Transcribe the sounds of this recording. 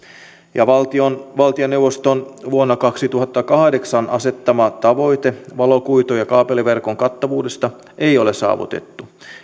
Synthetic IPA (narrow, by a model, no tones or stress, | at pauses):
jɑʋɑlt̪ionʋɑlt̪ionːewʋːost̪onʋuonːɑkɑksit̪uɦɑt̪ːɑkɑhdeksɑnʔɑse̞t̪ːɑmɑt̪ɑʋo̞jt̪eʋɑlo̞kujt̪ojɑkɑːpeliʋe̞rkoŋkɑt̪ːɑʋuːde̞st̪ɑ | ejo̞lesɑ̰ːʋṵt̪e̞̰t̪ːu